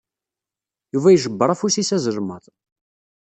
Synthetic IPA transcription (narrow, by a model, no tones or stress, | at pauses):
juvæjʒəbːəɾˤæfusisæzəlməðˤ